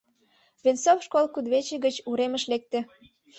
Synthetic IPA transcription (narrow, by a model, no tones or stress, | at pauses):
βensofʃkolkud̪βet͡ɕeɡət͡ɕuɾemə̆ʃlek̚t̪ĕ